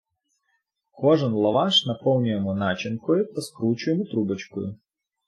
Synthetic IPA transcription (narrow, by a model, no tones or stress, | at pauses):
kɔʐɨnlˠɐʋaʂnɐpow̪ˠnʲɪjəmʊnat͡ɕɪnkʊjʊpɐskɾut͡ɕʊjɪmʊt̪ɾubət͡ɕkʊ̰jʊ̰